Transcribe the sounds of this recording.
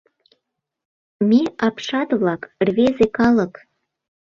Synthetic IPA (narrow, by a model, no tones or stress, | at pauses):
meɑpʃɑt̪βlɑkrβezekɑlə̆k